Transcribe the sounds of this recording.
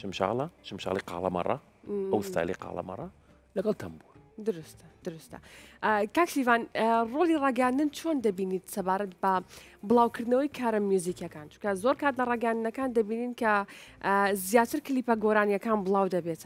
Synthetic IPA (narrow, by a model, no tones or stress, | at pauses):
ʃəmʃa̰lɑʃəmʃɑ̰liqɑ̰lɑ̰mɑ̰rˤːɑ̰ | əwəst̪a̰lḭqɑ̰l̰mɑ̰rˤːɑ | ləɡɛlt̪ʰəmbuɾd̪ʊɾust̪d̪̥ʊɾust̪a̰kaːksivaːnrolirˤɑːɡɛjənd̪ənt͡ʃʰoːnd̪ɐbinit̪sɐbaːɾɐt̪bɐbəlˠaːwkʰəɾd̪nɐwəjkʰaːɾamjuzikjɐkant͡ʃu̥kɐzoɾkaːt̪lɐɾˤɑːɡɛjənd̪nɐkaːnd̪ɐbininkɐ | zjaːt̪əɾklipɐɡoɾaːnjɐkaːnbəlˠɑːwd̪ɐbet̪